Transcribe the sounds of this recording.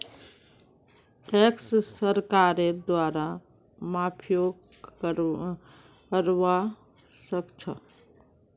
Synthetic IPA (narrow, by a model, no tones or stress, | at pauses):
ekssəɾkaɾed̪waɾa | mapʰjoɡ | əɾʋa | səkt͡ʃʰə